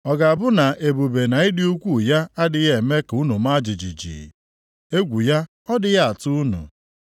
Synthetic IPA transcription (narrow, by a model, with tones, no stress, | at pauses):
ɔ˨ɡa˨a˨bʊ˦na˨ʔe˨bu˨be˨na˨ɪ˦dɪ˦u˦kʷu˦ja˦a˦dɪ˦ɣe˨me˦ku˦nu˨ma˦d͡ʒi˨d͡ʒi˨d͡ʒḭ˨ | e˦ɡʷu˨ja˦ | ɔ˦dɪ˦ja˦a˨tʊ˦u˦nṵ˨